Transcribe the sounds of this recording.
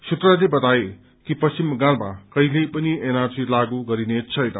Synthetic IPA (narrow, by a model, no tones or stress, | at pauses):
sut̪ralebʌt̪ae | kipʌst͡ɕimɡãɾma̰kʌilepʌnienarsilaɡuɡʌɾinet͡sʰʌjnʌ̰